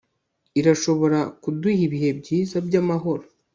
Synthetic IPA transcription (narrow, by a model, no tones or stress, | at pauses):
iɾaʃo̞βo̞ɾakuduhiβihe̞b̚ɟiːzabɟaːmaɦo̞ɾo